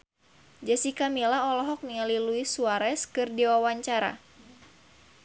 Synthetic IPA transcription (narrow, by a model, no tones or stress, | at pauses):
d͡ʒasikamilaɔlɔɦɔk̚niŋaliluisuaɾɛskɨrdiwawaɲt͡ʃaɾa̰